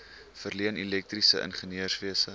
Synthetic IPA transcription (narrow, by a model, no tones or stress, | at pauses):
fərliənilɛk̚trisəʔə̰nχəniərsviəsə